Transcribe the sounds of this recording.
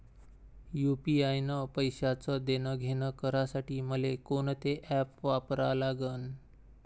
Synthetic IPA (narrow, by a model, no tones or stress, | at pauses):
jupiajnəpəjɕat͡səd̪enəɡʱenəkəɾasaʈiːməlekoɳt̪eʔæpʋapɾalaɡən